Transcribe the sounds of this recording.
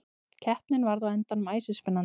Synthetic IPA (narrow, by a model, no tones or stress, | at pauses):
cʰɛhpnɪnvaɾðaðɛnt̪anmaːjsɪspɪnːan